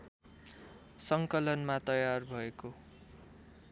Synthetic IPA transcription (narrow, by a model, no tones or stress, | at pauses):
sʌŋkʌlʌnmat̪ʌjarbʱʌeko